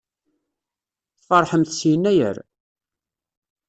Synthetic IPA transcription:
θfɑɾˤħəmθsjnːæjə̰ɾ

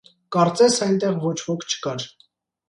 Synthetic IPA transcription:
kɑɾt͡sɛsɑjnt̪ɛʁvɔt͡ʃʰvɔkʰt͡ʃʰə̥kɑɾ

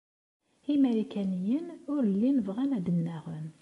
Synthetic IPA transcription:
imæɾikænijənʊɾəlːinəvʁænæd̪ənːæʁən

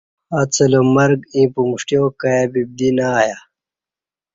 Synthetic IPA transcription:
at͡sʰɐlomɐɾɡĩpumuʂʈjokajabib̚d̪inaːja

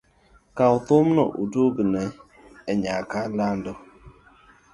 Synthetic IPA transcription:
kaʊtʊmnɔ̰ʔudubinɛ | eɲakalandɔ

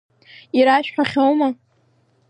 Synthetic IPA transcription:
iɾaʃᶣħʷᶣaχʲowma

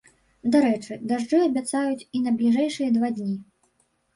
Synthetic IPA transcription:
d̪aɾɛt͡ʂɨd̪aʐd͡ʐɨɐbʲat̪sajut͡sʲinɐblʲiʐɛjʂɨjɐd̪vad̪ʲnʲi

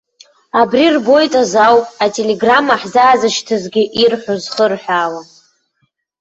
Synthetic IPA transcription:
abrirbo̞jtʼazawpʼatʼeleɡramaħzaːzɨʃtʰɨzɡʲɪʔirħʷozχərħʷᶣaːwa

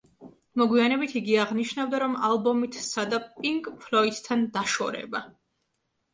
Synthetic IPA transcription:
mɔɡwianɛbit̪ʰiɡiaʁniʃnavd̪aɾɔmalˠbɔmit̪ʰsad̪apʼiŋkʼpʰlɔit̪t̪ʰːand̪aʃɔ̰ɾɛ̰ba

